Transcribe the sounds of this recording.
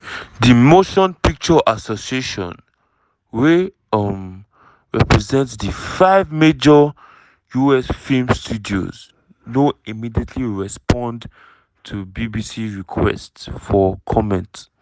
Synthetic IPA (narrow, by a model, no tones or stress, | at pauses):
dimoʃɔ̃npik̚t͡ʃɔʔasosieʃɔ̰̃n | we | m | ɹɛpɹɛzɛ̃ntsdifaɪvmed͡ʒɔ | juɛsfilmstʰudio̰z | noimidietʰliɹɛspɔ̃nd | tʰubibisiɹikʰwɛ̰stsfɔkʰɔmɛ̃nt